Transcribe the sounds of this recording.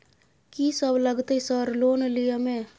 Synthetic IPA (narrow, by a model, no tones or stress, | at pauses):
kisəbləɡt̪eisəɾloːnlijəmẽ